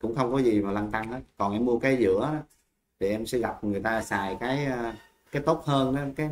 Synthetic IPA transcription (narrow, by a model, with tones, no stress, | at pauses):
kʊ̰˧˥ŋ͡mxə˧wŋ͡mkɔ˨˦zi˨˩maː˨˩la˧ŋt̪a˧ŋʔaː˨˦kɔ˨˩nʔɛ˧mːu˧əkaː˨˦jzɨ̰˧˥əɔ˨˦ | t̪ʰi˨˩ʔɛ˧msɛ̰˧˥ɣa˨˩p̚ŋɨ˨˩əjt̪aː˧saː˨˩jkaː˨˦ja˧ | kaː˨˦jt̪o˦˥t̚həː˧nɗa˨˦kaː˨˦